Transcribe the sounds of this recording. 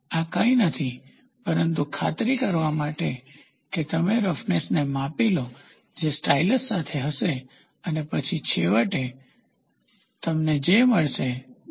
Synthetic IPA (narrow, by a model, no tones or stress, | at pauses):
akə̃ĩnət̪ʰi | pəɾənt̪ukʰat̪ɾikəɾʋamaʈe | ket̪əmeɾəfnesnemapilo | d͡ʒesʈailəsːat̪ʰeɦəʃe | ənepət͡ʃʰit͡ʃʰeʋəʈe | t̪əmned͡ʒeməɭʃe